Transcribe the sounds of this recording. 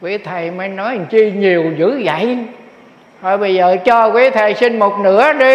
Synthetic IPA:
kwi˨˦t̪ʰə˨˩jməː˨˦nɔ˨˦jŋt͡ɕi˧ɲi˨˩əwzɨ̰˧˥za̰˧˨j | hɔ˧˩ɓə˧jzəː˨˩t͡ɕɔ˧kwi˨˦t̪ʰə˨˩jsi˧nmo˨˩t̚nɨ̰˧˥əɗi˧

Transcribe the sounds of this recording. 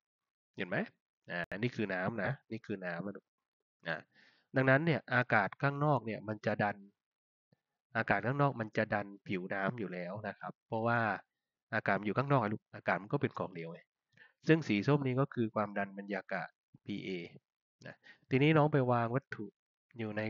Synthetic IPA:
ɲe˨˩nma˦˥j | ʔaː˨˩niː˥˩kʰɯː˧naː˦˥mna˦˥niː˥˩kʰɯː˧naː˦˥ma˧˩du˨˩k̚ | ʔa̰˨˧˩ | da˧ŋna˦˥nːi˥˩ɐʔaː˧kaː˨˩t̪̚kʰaː˥˩ŋnɔː˥˩k̚ni˥˩ɐma˧nt͡ɕa˨˩ʔda˧n | ʔaː˧kaː˨˩t̪̚kʰaː˥˩nɔː˥˩k̚ma˧nt͡ɕa˨˩da˧npʰi˨˩˦wnaː˦˥mjuː˨˩lɛː˦˥wna˦˥kʰa˦˥pʰːɔ˧˥waː˥˩ | ʔaː˧kaː˨˩t̪̚ma˧njuː˨˩kʰaː˥˩ŋnɔː˥˩k̚a˧˩du˧˩k̚ʔaː˧kaː˨˩t̪̚ma˧nkɔː˥˩pe˧nkʰɔː˨˦ŋdi˧əwʔe˨˩ | sɯ˥˩ŋsiː˩˦so˥˩˨mniː˥˩kɔː˥˩kʰɯː˧kʰwaː˧mda˧nba˧njaː˧ka̰˨˩ | pʰiː˧ʔeː˧ | na̰˧˦˩t̪ʰiː˧niː˦˥nɔː˦˥ŋpa˧jwaː˧ŋwa˦˥t̪ʰːu˨˧˩ | juː˨˩na˧j

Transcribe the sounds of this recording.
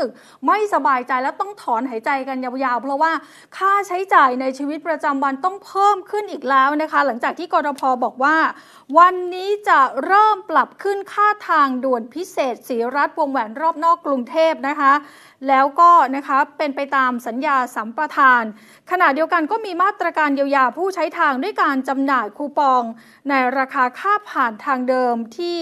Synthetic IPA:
ɯ˨˩k̚ | ma˥˩jsa˧baː˧jt͡ɕa˧jlɛː˦˥wt̪ɔ˥˩ŋt̪ʰɔː˩˦nɦa˨˩˦jt͡ɕa˧jka˧njaː˧wjaː˧wpʰɾɔ˦˥waː˥˩ | kʰaː˥˩t͡ɕʰa˦˥jt͡ɕaː˨˩jna˧jt͡ɕʰiː˧wi˦˥t̪̚pɾa˧t͡ɕa˧mwa˧nt̪ɔ˥˩ŋpʰɤː˥˩mkʰɯ˥˩nʔiː˨˩k̚lɛː˦˥wna˦˥kʰa˦˥la˩˦ŋt͡ɕaː˨˩k̪̚ʰiː˥˩kɔː˧ɾɔː˧pʰɔː˧bɔː˨˩k̚waː˥˩ | wa˧nːiː˦˥t͡ɕa˨˩ɾɤː˥˩mpla˨˩p̚kʰɯ˥˩nkʰaː˥˩t̪ʰaː˧ŋdu˨˩ənpʰi˦˥seː˨˩t̪̚siː˩˦ɾa˦˥t̪̚wo˧əŋwɛː˩˦nɾɔː˥˩p̚nɔː˥˩kːɾu˧ŋt̪ʰeː˥˩p̚na˦˥kʰa˦˥ | lɛː˦˥wkɔː˥˩na˦˥kʰa˦˥pe˧npa˧jt̪aː˧msa˩˦njaː˧sa˩˦mpɾa˧t̪ʰaː˧n | kʰa˧na˨˩t̪̚di˧əwka˧nkɔː˥˩miː˧maː˥˩t̪ːɾa˧kaː˧nji˧wjaː˧pʰuː˥˩t͡ɕʰa˦˥jt̪ʰaː˧ŋdu˥˩əjkaː˧nt͡ɕa˧mnaː˨˩jkʰuː˧pɔː˧ŋ | na˧jɾaː˧kʰaː˧kʰaː˥˩pʰaː˨˩nt̪ʰaː˧ŋdɤː˧mt̪ʰiː˥˩

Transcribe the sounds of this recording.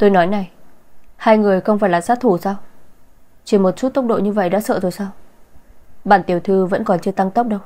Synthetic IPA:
t̪o˧jnɔ˨˦jna˨˩j | haː˧jŋɨ˨˩əjxə˧wŋ͡mfaː˧˩jlaː˨˩zaː˦˥t̪ʰu˧˩saː˧w | t͡ɕi˧˩mo˨˩t̚su˦˥t̪ə˦˥k͡p̚ɗo̰˧˨ɲɨ˧və̰˧˨jɗa̰ː˧˥sə̰ː˧˨zo˧˩jsaː˧w | ɓa̰ː˧˨nt̪i˨˩əwt̪ʰɨ˧və̰˧˥nkɔ˨˩nt͡ɕɨ˧ət̪a˧ŋt̪ə˦˥wk͡p̚ɗə˧w

